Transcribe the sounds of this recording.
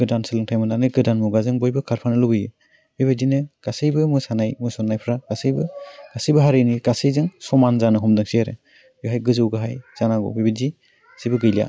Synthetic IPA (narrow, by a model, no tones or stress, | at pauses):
ɡɯdansɯlɯŋtʰajmɯnanɯɡɯdanmuɡazɯŋbɔjbɯkʰaɾpʰanɯlubɯjɯ | bibazinɯɡ̥asɯjbɯmɯsanajmɯsɔnːajpʰɾaɡ̥asɯjbɯɡ̥asɯjbɯɦaɾɯjniɡ̥asɯjzɯŋsɔmanzanɯɦɔmdɯŋsiaɾɯ̰ | ɡɯɦajɡɯzɯwɡɯɦajz̥anaɡɔ̰bibadi | sibɯɡɯjlija̰